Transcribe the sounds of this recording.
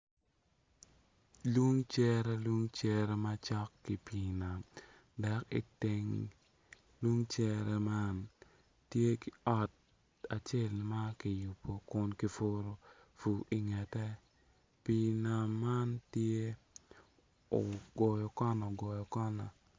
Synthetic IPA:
lwu˦ŋt͡ʃɛ˦ɾɛ˦lu˦ŋt͡ʃɛ˦ɾɛ˦ma˦t͡ʃɔ˦kːi˦pi˨na˨m | dɛ˨kɪ̰˦tɪ˦ŋ | lu˦ŋt͡ʃɛ˦ɾɛ˦ma˦n | tje˦ki˦ɔ˨t̚ | a˨t͡ʃe˦˨lma˦ki˨ju˨pʰːo˨kʊ˦nki˦fo˦ɾo˦ | fu˨i˨ŋɛ˨tɛ˦ | pi˨na˨mːa˦ntje˦ | o˨ɡɔ˨jɔ˨kɔ˦nɔ˨ɡɔ˨jɔ˨kɔ˦na˨

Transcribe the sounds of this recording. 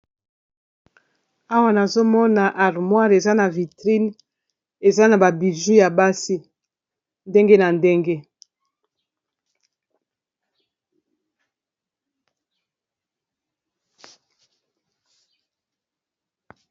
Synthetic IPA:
a˦wa˦na˨zo˦mɔ˦na˨ʔa˨ʁmwa˦ʁe˨za˦na˨vi˨tʁi˦n | e˨za˦na˨ba˨bi˨ʒu˦ja˨ba˦si˦ | nde˦ŋɡe˦na˨nde˦ŋɡe˦

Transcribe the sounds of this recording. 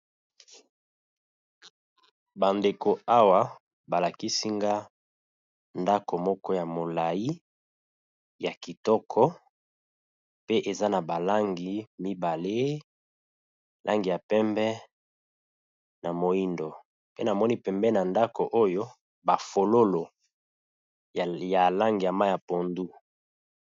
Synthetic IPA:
ba˨nde˨ko˨a˦wa˦ | ba˨la˨ki˦si˦ŋɡa˦ | nda˦ko˨mɔ˦kɔ˦ja˨mo˨la˨ji˦ | ja˨ki˨tɔ˦kʰɔ˦ | pe˦ʔe˨za˦na˨ba˨la˦ŋɡi˨mi˦ba˨le˦˨ | lʔa̰˦ŋɡi˨ja˨pɛ˦mbɛ˦ | na˨mo˨i˦ndo˨ | pe˦na˨mɔ˦ni˦pɛ˨mbɛ˦na˨nda˦ko˨ʔo˦jo˦ | ba˨fo˨lo˦lo˨ | ja˨la˦ŋɡi˨ja˨ma˦ja˨po˨ndu˦

